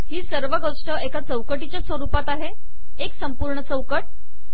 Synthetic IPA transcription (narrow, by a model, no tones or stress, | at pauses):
ɦiːsəɾʋəɡoʂʈəekat͡səwkəʈ̬it͡ɕjasʋəɾupat̪aɦe | eksəmpuɾɳət͡səwkəʈ̚